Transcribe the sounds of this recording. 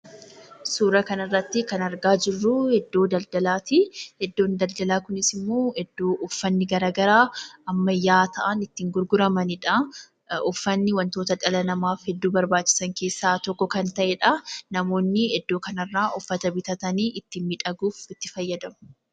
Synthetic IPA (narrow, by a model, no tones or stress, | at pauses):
suːɾɐkɐnɐrːɐt̪ːɪkɐnɐɾɡaːd͡ʒɪrːʊhɛd̪ːo̞ːd̪ɐld̪ɐlaːt̪ihɛd̪ːoːnd̪ɐld̪ɐlaːkʊnɪsɪmːo̞ːhɛd̪ːoːʔʊfːɐnːɪɡɐɾaːɡɐɾaːɐmːɐjːaːt̪ɐʔɐnɪt̪ːɪŋɡʊɾɡʊɾɐmɐnɪᶑɐ | ʊfːɐnːɪwɐnt̪o̞ːt̪ɐᶑɐlɐnɐmaːfhɛd̪ːuːbɐɾbaːt͡ʃːɪ̥sɐŋke̞ːsːaːt̪ɔkːɔkɐnt̪ɐʔɛᶑɐnɐmo̞ːnːɪhɛd̪ːo̞ːkɐnɐrːaːʔʊfːɐt̪ɐbɪt̪ɐt̪ɐniːʔɪt̪ːɪmmɪᶑɐɡuːfɪt̪ːɪfɐjːɐd̪ɐmʊ̥